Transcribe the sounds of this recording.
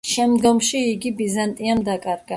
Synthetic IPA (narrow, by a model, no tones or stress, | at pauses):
ʃɛmd̪ɡɔmʃiːɡibizant̪ʼiamd̪akʼaɾɡa